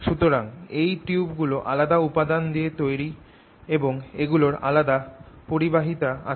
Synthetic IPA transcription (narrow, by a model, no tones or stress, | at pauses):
ʃut̪oɾaŋejʈiubɡuloʔa̰lad̪aupad̪and̪iet̪ojɾi | eboŋeɡuloɾa̰lad̪a | poɾibaɦit̪aa̰